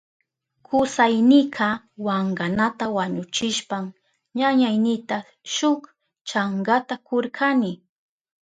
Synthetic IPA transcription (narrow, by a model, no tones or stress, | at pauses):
kʰʊsajnɪqʰɑ | waɴɢanat̪awaɲʊt͡ʃɪʃpam | ɲaɲajnɪt̪a | ʃʊk | t͡ʃaŋɡat̪akoɾkʰanɪ